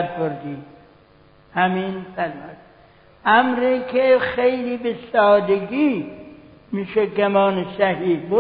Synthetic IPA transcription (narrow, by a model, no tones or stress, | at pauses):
dboɾd̪iː | hæmiːnfæɾmod̪ | ʔæmɾiːkʰexejliːbesɒːd̪eɡiː | miːʃeɡæmɒːnesæhiːd̪bo